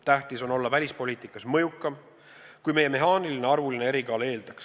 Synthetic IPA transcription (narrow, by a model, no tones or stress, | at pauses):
t̪æht̪iso̞no̞lːɑvælʲispo̞liːt̪ˑikːˑɑsmɤjukːˑɑm | kujme̞je̞me̞ɦɑːnilineɑrvulinee̞ɾikɑːle̞ːld̪̥ɑks